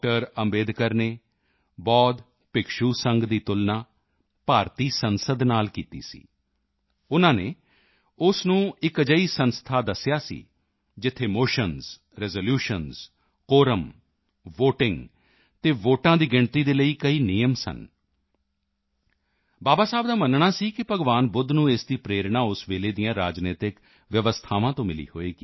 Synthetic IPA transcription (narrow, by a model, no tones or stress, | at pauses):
ʈəɾəmbeːd̪kəɾneː | bɔːd̪ | pɪkʃuːsəŋɡd̪iːt̪ʊlnaː | paːɾt̪iːsənsəd̪naːlkiːt̪ḭːsḭː | ʊnãːneː | ʊsnũːɪkəd͡ʒəiːsənst̪ʰaːd̪əsɪjaːsḭː | d͡ʒɪt̪ʰːeːmoːʃənz | ɾɛzoːljuːʃənz | koːɾəm | ʋoːʈɪ̃ŋɡ | t̪eːʋoːʈãːd̪iːɡɪɳt̪iːd̪eːləiːkəiːnijəmsə̰n | baːbaːsaːbd̪aːmənɳaːsiːkɪpəɡʋaːnbʊd̪nũːesd̪iːpɾeːɾɳaːʊsʋeːleːd̪ijãːɾaːd͡ʒneːt̪ɪk | ʋjəʋəst̪ʰaːʋãːt̪õːmɪlḭːhoːeːɡiː